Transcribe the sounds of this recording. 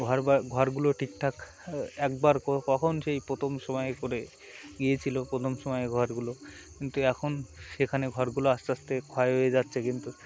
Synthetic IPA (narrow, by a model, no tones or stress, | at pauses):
ɡʱɔɾbaɾɡʱɔɾɡuloʈʰik̚ʈ̪ʰak | ɛkbaɾkɔkɔkʰonʃejpɾot̪ʰomʃɔmɔekoɾe | ɡiet͡ɕʰilopɾot̪ʰomʃɔmɔjeɡʱɔɾɡulo | kint̪uɛkʰonʃekʰaneɡʱɔɾɡuloasast̪ekʰɔeɦojed͡ʑatːɕʰekint̪u